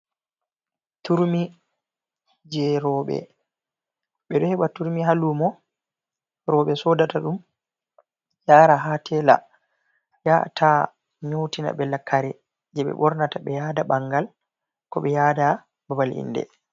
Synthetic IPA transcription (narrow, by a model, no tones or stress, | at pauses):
tuɾmi | d͡ʒɛɾɔɓɛ̰ | ɓɛɗɔhɛɓatuɾmiɦalumɔ | ɾɔɓɛsɔdataɗum | jaːɾaɦatʰɛla̰ | jatʰa | ɲowtina̰ɓɛlakːaɾɛ | d͡ʒɛɓɛ̰ɓɔɾnataɓɛjaːdabaŋɡal | kɔɓɛjaːda | babalḭndɛ̰